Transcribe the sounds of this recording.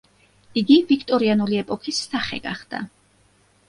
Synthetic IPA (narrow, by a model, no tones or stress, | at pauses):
iɡivikʰt̪ʼɔɾianuliɛpʼɔkʰisːaχɛ̰ɡaχd̪̥a̰